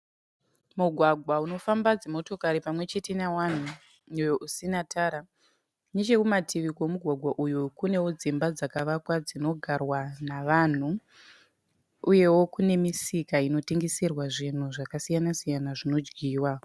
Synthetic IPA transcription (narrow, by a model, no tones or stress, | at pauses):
muɡʱwaɡʱwauno̞fambad͡zemo̞to̞kaɾipamwe̞t͡ʃetinawan̤u | ujoʔusinatʰaːɾa | net͡ʃe̞kumatʰiʋikwomuɡʱwaɡʱwaʔujukune̞wo̞d͡zimbad͡zakaʋakwad͡zino̞ɡʱarwanaʋan̤u | uje̞wo̞kune̞misikaino̞teŋɡisirwaʐin̤uʐakasijanasijanaʐino̞d͡ʒɡiːwa